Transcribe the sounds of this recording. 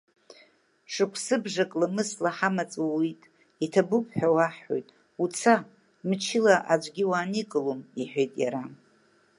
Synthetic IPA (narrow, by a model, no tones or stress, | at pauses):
ʂɨkʷʰsɨbʐakʼlamɨslaħamat͡sʼwawitʼ | itʰabupʰʼħᶣawaħo̰jtʼ | ut͡sʰa | mɨt͡ʃʰɪlaʔad͡ʒʷʼɡʲiwaːnikʼɨlomiħᶣejtʼja̰ɾa